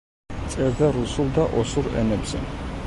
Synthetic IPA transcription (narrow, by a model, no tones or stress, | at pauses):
t̪sʼɛɾd̪aɾusulˠd̪aʔɔsuɾɛ̰nɛbz̥ɛ̰